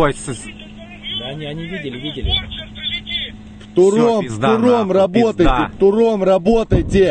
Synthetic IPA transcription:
d̪aɐnʲiɐnʲivʲidʲɪlʲɪvʲidʲɪlʲɪ | ft̪ʊɾomfd̪ʊɾomrɐbot̪əjtʲɪt̪ʊromrɐbot̪əjtʲɪ

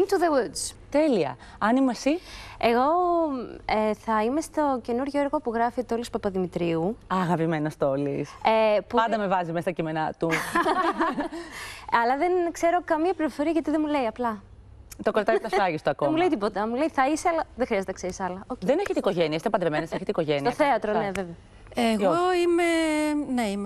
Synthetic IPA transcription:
nt̪uðewud̪zt̪e̞liɐ̰ | ɐnimesie̞ɣo̞ | eθɐime̞st̪o̞ce̞nuɾʝo̞eɾɣo̞puɣɾɐfit̪o̞lispɐpɐðimit̪ɾiuɐɣɐpime̞nost̪o̞lisepupɐɐnd̪ɐme̞vɐzimesɐt̪ɐcimenɐt̪u | ɐlɐðenkse̞ɾo̞kɐmiɐpliɾofo̞ɾiɐʝɐt̪iðemule̞iɐplɐ | t̪okoɾt̪ɐt̪ɐfɐʝist̪oɐkomule̞it̪ipo̞t̪ɐmule̞iθɐiseɐlɐðexɾiɐzt̪enɐkseɾisɐlɐoðeneçet̪eiko̞ʝeniɐst̪epɐnd̪ɾemeneseçet̪eiko̞ʝenioɐθe̞ɐt̪ɾonneveve | eɣoimeneim

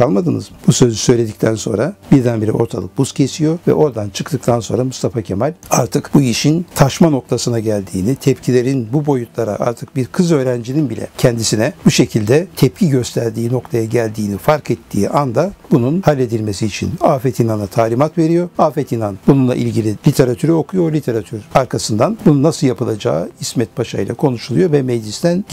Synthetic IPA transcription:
kʰalˠmad̪ɯnɯ̰zmbusø̞zysø̞jlʲe̞d̪ic̚ʲt̪ʰænso̞nɾabiɾd̪ænbiɾḭʔo̞̰ɾt̪ʰa̰lˠɯk̚buscʰe̞sijo̞vɛ̰ʔo̞ɾd̪ant͡ʃʰɯkt̪ʰɯk̚t̪ʰanso̞nɾamust̪ʰafacʰemalʲaɾt̪ʰɯkbuiʃint̪ʰaʃmano̞k̚t̪ʰasɯnaɟælʲd̪iːnit̪ʰɛpcʰilʲe̞ɾinbubo̞jut̪ʰlˠaɾa̰ʔa̰ɾt̪ʰɯk̚biɾkʰɯzø̞ːɾænd͡ʒininbilʲɛ̰cʰɛnd̪isinɛbuʃe̞cʰilʲd̪ɛt̪ʰɛp̚cʰiɟø̞st̪ʰæɾd̪iːno̞kt̪ʰajaɟælʲd̪iːnifaɾkʰɛt̪ʰːiːʔand̪abununhalʲːe̞d̪ilʲme̞siːt͡ʃʰḭnaːfɛt̪ʰinanat̪ʰaːlʲimat̪ve̞ɾijo̞ɾaːfɛt̪inanbununlˠa̰ʔḭlʲɟilʲilʲit̪ʰe̞ɾat̪ʰyɾɛo̞kʰujo̞ɾlʲit̪ʰe̞ɾat̪ʰyɾaɾkʰasɯnd̪anbununːasɯlˠjapʰɯlˠad͡ʒa̰ːismɛt̪̚pʰaʃa̰jlˠa̰kʰo̞nuʃulˠujo̞vɛmejd͡ʒist̪ʰæn

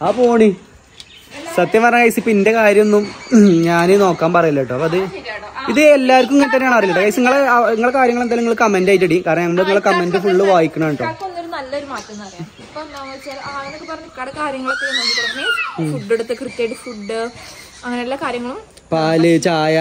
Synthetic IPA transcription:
aːpoːɳi | sɐt̪ːjɐmpɐrɐɲakɐjsipːinde̞kaːɾjɐmonːumɲaːneno̞ːkːaːmpɐrɐjilːaːjʈːɨɐpoɐðɨiðɨelːaːɾk̬ʲːumiŋɐnt̪ɐnːejaːɳɨɐrilːɐʈːkɐjseŋːɐɭeeŋːɐɭkaːɾjɐŋːɐɭend̪aːliŋːɐɭkɐmendaːjit̬ːɐɽikaːɾrnɐɐmːɐɽeiŋːɐɭkɐmendɨfuɭːɨʋaːjikʲːuɳɐʋeɳʈːoːkːɐonːoɾunɐlːɐoɾumaːtːɐmnɐlɐjɐpːonaːmt͡ɕːalaɐnokːɨpɐrɐɲːikːaːɽekaːɾjɐŋːɐɭekːojnɐnikɐɾɐnːefuɖːeɽut̪ːɨkrɨkːeʈːɨfuɖːɨ | ɐŋːɐneelːaːkaːɾjɐŋːɐɭum | paːlɨt͡ɕaːja

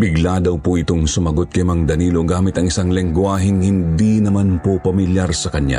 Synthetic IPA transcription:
bɪɡlad̪ɐwpoʔɪt̪oŋsʊmɐɡot̪̚kɐjmɐŋd̪ɐniːlo̞ɡaːmɪt̪ɐŋɪsaŋlɪŋɡwaːɦɪŋhɪnd̪inɐmanpopɐmɪljaɾsɐkɐɲja̰

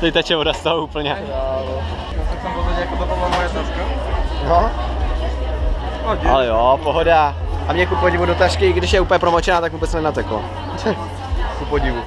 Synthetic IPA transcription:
t̪ɛt̪at͡ʃɛvodast̪aouːpl̩ɲɛ | a | asɛsamozɛɲɛjakot̪opomalojɛt̪askano | oalɛjopoɦodaʔamɲɛkupoɟɪvudot̪aʃkɪɡdɪʃjɛupəɲjɛpɾomot͡ʃɛnaːt̪akvuːbɛt͡snɛnat̪ɛklo̰ | kupoɟɪvu

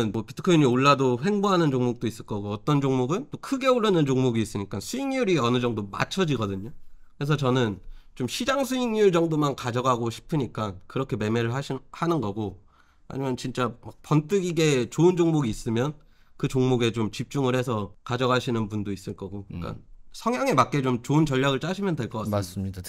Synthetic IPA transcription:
ɯnmʌpitʰɯ̥kʰoiɲioɭːadoɦe̞ŋboɦanɯnt͡ɕoŋmok̚t͈ois͈ɯɭk͈ʌɡoʌt͈ʌnd͡ʑoŋmoɡɯnt͈okʰɯɡe̞oɭːʌnɯnd͡ʑoŋmoɡiːs͈ɯɲik͈ansʰuiŋjuɾiʌnɯd͡ʑʌŋdoma̰t͡ɕʰʌd͡ʑiɡʌdɯɲokɯɾe̞s̬ʰʌt͡ɕʌnɯnt͡ɕomɕʰid͡ʑaŋsʰuiŋjuɭd͡ʑʌŋdomankad͡ʑʌɡaɡoɕʰi̥pʰɯɲik͈ankɯɾʌkʰe̞me̞me̞ɾɯɭɦaɕʰihanɯnɡʌɡo | ha̰ɲimjʌnt͡ɕint͡ɕ͈amak̚pʌnt͈ɯɡiɡe̞t͡ɕoɯnd͡ʑoŋmoɡiːs͈ɯmjʌn | kɯt͡ɕoŋmoɡe̞t͡ɕomt͡ɕip̚t͡ɕ͈uŋɯɭhe̞sʰʌkad͡ʑʌɡaɕʰinɯnpundois͈ɯɭk͈ʌɡoik͈a̰nsʰʌŋjaŋe̞mak͈e̞t͡ɕomt͡ɕoɯnt͡ɕʌʎːaɡɯɭt͡ɕ͈aɕʰimjʌnde̞ɭk͈ʌk͈aas͈ɯmɲida

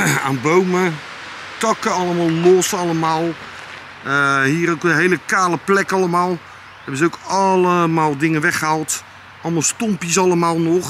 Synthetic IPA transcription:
aːnbowmə | tɑkəɑlˠəmalˠlɔsɑlˠəmaːlˠ | əhiːɾokəɦejləkaːləplɛkɑlˠəmaːlˠ | ɛbəzowkɑləmaːlˠdɪŋənʋɛχəɦalˠt | ɑlˠmɑlˠstɔmpjəsɑlˠəmaːlˠnɔχ

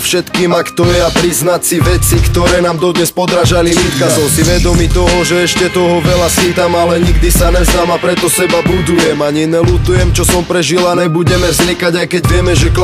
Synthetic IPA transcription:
fʃɛt̪kiːmakt̪ɔjɛapɾiznacsiʋɛt͡sikt̪ɔɾɛːnaːmd̪ɔd̪ɲɛspɔd̪ɾaʒaliluːt̪kasɔmsiʋɛd̪ɔmit̪ɔɦɔʒɛɛʃcɛt̪ɔɦɔʋɛlasit̪amalɛɲiɡd̪isaɲɛzamapɾɛt̪ɔsɛbabud̪ujɛmaɲɛnɛlut̪ujɛmt͡ʃɔsɔmpɾɛʒilanɛbuɟɛmɛvzɲikaɟajkɛɟʋɪɛmɛʒɛk

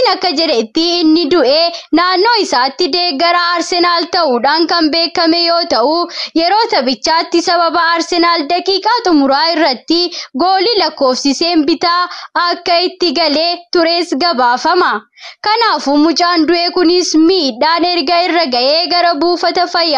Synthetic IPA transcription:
nɐkːɐd͡ʒɛᶑɛt̪ːɪɪnːɪd̪ʊʔeːnaːnːo̞ːɪsaːt̪ːɪd̪eːɡɐɾɐːɾsɛnaːlt̪ɐʔuːᶑaːnkɐmbe̞ːkːɐmɛjo̞ːt̪ɐʔujɛɾo̞ːt̪ɐbɪt͡ʃːaːt̪ːɪsɐbɐbɐːɾsɛnaːld̪ɐkʼiːkʼaːt̪ʼʊmʊɾaːɪrːɐt̪ːɪɡo̞ːlilɐkːo̞ːfsɪse̞ːmbɪt̪aːɐkːɐɪt̪ːɪɡɐle̞ːt̪ʊɾe̞ːsɡɐbaːfɐmɐ | kɐnaːfumʊt͡ʃʼaːnd̪ʊʔeːkʊnɪsmiːᶑaːnɛɾɡɐɪrːɐɡɐʔeːɡɐɾɐbuːfɐt̪ɐfɐjːaː

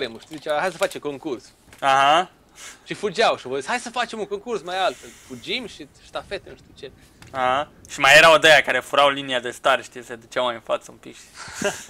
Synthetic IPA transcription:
ɾemuʃt̪id̪it͡ʃeahajsəfat͡ʃeko̞ŋkurs | aɦa | ʃifud͡ʒawʃivozishajsəfat͡ʃe̞muŋkoŋkursmajalt̪felfud͡ʒimʲʃist̪afet̪enuʃt̪ut͡ʃe̞ | ahaʃimajeɾaod̪ejakaɾefuɾawliniad̪e̞st̪aɾʃt̪ijesed̪ut͡ʃawmajɨnfa̰t̪səṵmpikʃi

